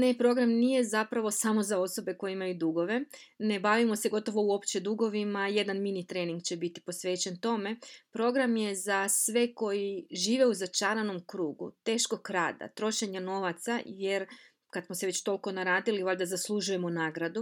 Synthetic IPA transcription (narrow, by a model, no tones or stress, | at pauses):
ne̞pɾo̞ɡɾamnije̞zapɾaʋo̞samo̞zao̞so̞be̞ko̞jeimajud̪uɡo̞ʋe̞ne̞baʋimo̞se̞ɡo̞t̪o̞ʋo̞uo̞pt͡ɕe̞d̪uɡo̞ʋimaje̞d̪anminit̪ɾeːniŋɡt͡ɕe̞bit̪i̥po̞sʋe̞ːt͡ɕe̞nt̪o̞me̞pɾo̞ɡɾamje̞zasʋe̞ko̞jiʒiːʋe̞uzat͡ʃaːɾano̞mkɾuːɡṵt̪e̞ːʃko̞kɾa̰ːd̪a̰t̪ɾo̞ʃe̞ɲano̞ʋat̪sajeɾ | kad̪smoseʋe̞t͡ɕt̪o̞lko̞naɾaːd̪iliʋaʎd̪azaslˠuʒuje̞monaːɡɾad̪u